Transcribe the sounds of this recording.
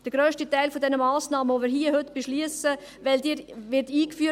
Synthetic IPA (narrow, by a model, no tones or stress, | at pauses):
d̥əɾɡ̥ɾøːʃtitaɪlfodɛnəmaːsnɑːməvomiːɾɦiəhɵtb̥eʃliəsə | ʋɛldiʋɪtiːkfyə